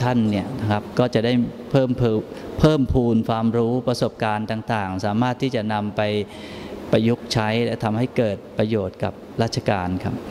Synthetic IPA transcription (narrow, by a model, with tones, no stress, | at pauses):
t̪ʰa˥˩nːi˥˩ɐna˥kʰa˦˥p̚kɔː˥˩t͡ɕa˨˩daː˥˩j | pʰɤː˥˩mpʰːpʰɤː˥˩mpʰuː˧nkʰwaː˧mɾuː˦˥pɾa˧so˨˩p̚kaː˧nt̪aː˨˩ŋt̪aː˨˩ŋsaː˩˦maː˥˩t̪ʰːiː˥˩t͡ɕa˨˩ʔna˧mpa˧j | pa˧jːu˦˥k̚t͡ɕʰa˦˥jlɛ˦˥t̪ʰa˧mha˥˩jkɤː˨˩t̪̚pɾa˧joː˨˩t̪̚ka˨˩p̚ɾaː˥˩t̪t͡ɕʰa˧kaː˧nkʰa̰˦˥p̚